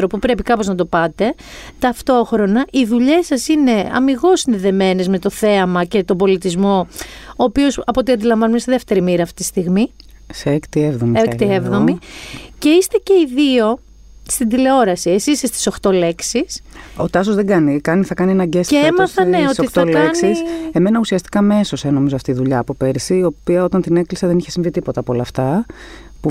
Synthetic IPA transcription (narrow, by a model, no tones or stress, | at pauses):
ɾopupɾe̞pikɐpo̞znɐt̪o̞pɐt̪e̞ | t̪ɐft̪o̞xɾo̞nɐʔiðuʎe̞sɐsine̞ɐ̰miɣo̞sinðeðe̞me̞ne̞zme̞t̪o̞θe̞ɐmɐce̞t̪o̞bo̞lit̪izmo̞oːpio̞sɐpoot̪iɐnd̪ilɐɱvɐnumest̪iðe̞ft̪e̞ɾimiɾɐːft̪it̪i̥st̪iɣmi | seekt̪ievðomekt̪ievðo̞mice̞ist̪e̞ce̞iðio̞ | st̪ind̪ile̞o̞ɾɐsiesisest̪i̥so̞xt̪o̞le̞ksiso̞t̪ɐs̬ozðeɡɐnikɐniθɐkɐnienɐɟeseemɐθɐneotsoikt̪ɐoleknsise̞me̞nɐusiɐst̪i̥kɐmeso̞seno̞mizoɐft̪iðuʎɐːpope̞ɾseio̞piɐo̞t̪ɐnt̪ine̞klisɐðe̞niçesiɱvit̪ipo̞t̪ɐpolɐːft̪ɐ | pu